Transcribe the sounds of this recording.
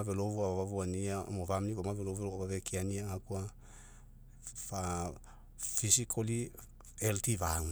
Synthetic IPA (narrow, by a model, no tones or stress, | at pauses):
velovuaβaβavuaniao̰movamniβamavelovulaβaβekianiaakua | fa | fisikʰoli | eltivaŋ